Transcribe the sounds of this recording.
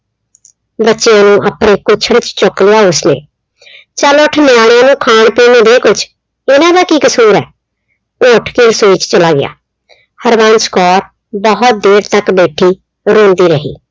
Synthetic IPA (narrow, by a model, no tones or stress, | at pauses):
bətːʃɪjãːnũːʔaːpɽeːkʊt͡ʃʰəɽt͡ʃt͡ʃoklɪjaːʊsnḛː | t͡ʃaːloʈʰnɪjaːɽjãːnũːkʰaːɳpiːneːd̪eːkʊt͡ʃʰ | ɪnãːd̪aːkiːkəsuːɾɛː | oːʈʰkiːɾsoːiːt͡ʃt͡ʃəlaːɡɪ̰ja̰ː | həɾbãːnskɔːɾ | bəɦʊt̪̚d̪eːɾt̪əkbeːʈʰiː | ɾõːnd̪iːɾəɦḭː